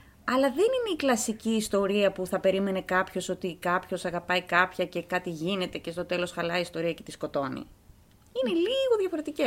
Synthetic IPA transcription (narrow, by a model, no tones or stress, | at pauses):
ɐlɐðe̞nine̞iklɐsiciːst̪o̞ɾiɐpuθɐpe̞ɾime̞ne̞kɐpço̞so̞t̪ikɐpço̞sɐɣɐpɐikɐpçɐce̞kɐt̪iʝine̞t̪e̞ce̞st̪o̞t̪e̞lo̞sxɐlɐist̪o̞ɾiɐce̞t̪isko̞t̪o̞nḭ | ine̞liɣo̞ðʝɐfo̞ɾe̞t̪ice